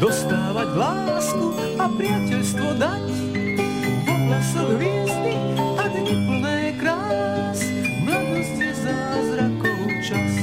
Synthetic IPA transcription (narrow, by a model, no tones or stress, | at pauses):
d̪ɔst̪aːʋaɟlaːsku | apɾɪacɛʎst̪ʋɔd̪ac | bɔɦasɔɣʋiɛzdi | adɛipl̩nɛːkɾaːl | as | mlad̪ɔztɛzaːzɾakɔut͡ʃas